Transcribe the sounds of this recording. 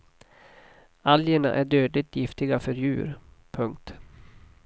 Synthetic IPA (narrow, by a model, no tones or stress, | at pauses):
aljəɳa̰ʔæɖøːd̪lɪt̪ʰjɪft̪ɪɡafœɾjʉ̟ːɾpʰɵŋk̚t̪